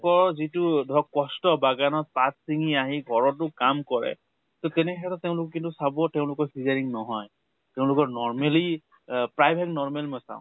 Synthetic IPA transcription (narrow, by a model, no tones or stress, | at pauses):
kɔɹɔzitudʱɔkɔstɔbaɡanɔt̚patsiŋiaɦiɡʱɔɹɔt̬ʊkamkɔɹɛ̰ | totɛnɛxɛtɔteʊ̃lʊkɔkintusabɔteʊ̃lʊkɔɹfʰizaɹiŋnɔɦɔj | teʊ̃lʊkɔɹnɔɹmeli | pɹajbʱɛiknɔɹmɛlmɔjsã̰ʊ̰̃